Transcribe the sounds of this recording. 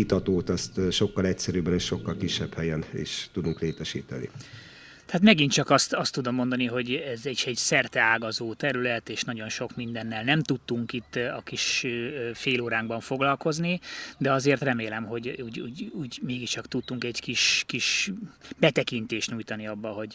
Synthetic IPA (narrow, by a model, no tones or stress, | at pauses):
it̪ɒt̪oːt̪ɛst̪ʃo̞kːɒlɛcsɛɾyːbɛneːʃʃo̞kːɒlkiʃːɛphɛjɛnḭːʃt̪ud̪uŋkleːt̪ɛʃḭːt̪ɛ̰nḭ | t̪haːt̪mɛɡint͡ʃɒkɒst̪ɒst̪ːud̪o̞mːo̞nd̪ɒniɦo̞ɟɛzɛɛɟsɛrt̪ɛaːɡɒzoːt̪ɛɾylɛt̪eːʃnɒɟo̞nʃo̞kmind̪ɛnːɛlnɛmt̪ut̪ːuŋkit̪ːɒkiʃ | feːloːɾaːŋɡbɒɱfo̞ɡlɒlko̞znid̪ɛɒzeːrt̪rɛmeːlɛmɦo̞ɟuːɟṵːɟuːɟmeːɡiʃt͡ʃɒkt̪ut̪ːuŋkɛɟkiʃkiʃbɛt̪ɛkint̪eːʃt̪ɲuːjt̪ɒniɒbːɒɦo̞ɟ